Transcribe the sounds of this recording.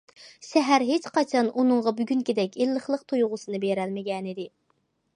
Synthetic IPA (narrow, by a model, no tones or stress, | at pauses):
sɛɦæɾɦet͡ʃqɑt͡ʃʰɑnʔunɨŋʁɑbyɡʲynkʲid̪ɛkʲilːəχlˠəqt̪ʰujʁʊsɨnɨbeɾɛlmɪɡʲɛnɪd̪ɪ